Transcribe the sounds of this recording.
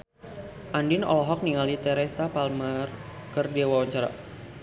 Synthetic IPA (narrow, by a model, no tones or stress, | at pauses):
ʔandɪnɔ̰lɔɦɔk̚niŋalit̪ɛɾesapalmarkərdewawaɲt͡ʃaɾa̰